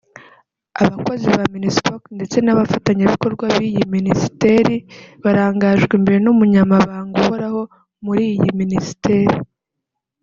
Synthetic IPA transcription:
aβako̞ziβaminispoknde̞t͡se̞naβafataɲaβiko̞ɾɡwaβijiminisi̥te̞ɾiβaɾaːŋɡaʒɡwimbe̞ɾenumuɲamaβaːŋɡuho̞ɾaho̞ | muɾiːjiminisi̥te̞ːɾi

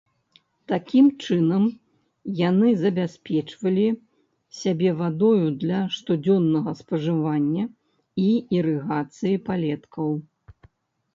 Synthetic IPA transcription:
t̪akʲimt͡ʂɨnɐm | janɨzɐbʲasʲpʲɛt͡ʂvɐlʲi | sʲabʲɛvad̪ɔjud̪lʲɐʂt̪ud͡zʲɔnːɐɣɐspɐʐɨvanʲːɐ | iiɾɨɣat̪sɨjipalʲɛt̪kʰɐw

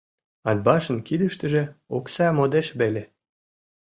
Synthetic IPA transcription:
ɑd̪̚bɑʃənkid̪əʃt̪ə̆ʒĕoksɑmod̪eʃβele

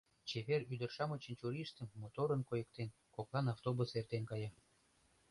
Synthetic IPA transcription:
t͡ɕeβeryd̪ərʃɑmət͡ɕənt͡ɕuɾiʃt̪ə̆mmot̪oɾənkojək̚t̪en | koklɑnɑft̪obusert̪enkɑjɑ

